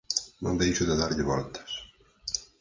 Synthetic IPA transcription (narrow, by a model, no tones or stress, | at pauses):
nõ̰nd̪ejʃʊðɪðaɾʎɪβɔ̰lt̪ɐ̥s